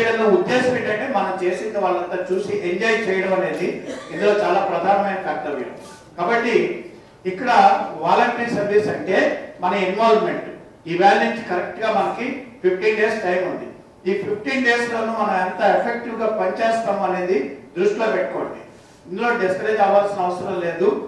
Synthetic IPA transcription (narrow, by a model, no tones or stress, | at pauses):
ɽɐnːuːud̪ːe̞ːsɐmiɳʈɐɳʈeːmɐnɐmt͡ʃe̞ːsind̪ɐʋaːɭːɐnt̪ɐt͡ʃuːsiʔeɲd͡ʒaːjt͡ʃɛːjɐɽɐmɐne̞ːd̪iind̪loːt͡ʃaːlaːpɾɐd̪ʱaːnɐʋɐjnɐpɐt̪ːɐʋḭjɐ̰m | kaːbɐʈːi | ikːɐɽɐʋaːlɐɳʈiɾsɐɾʋisɐɳʈe̞ːmɐnɐinʋaːlʋme̞ɳʈ | iːʋɛːlniɲt͡ʃi̥kɐɾek̚ʈɡaːmɐnɐkipʰipʰʈiːnɖe̞ːsʈɐjmund̪i | iːpʰipʰʈiːnɖe̞ːslo̞ːnumɐnɐmɛnt̪ɐepʰek̚ʈiʋɡaːpɐɲit͡ʃeːst̪aːmuɐne̞ːd̪id̪ɾusʈiloːpeʈ̚ːɐko̰ːɳd̪i | ind̪ulo̞ːd̪eskɐɾeːd̪aːʋaːlsinɐɐʋɐsɐɾɐmle̞ːd̪u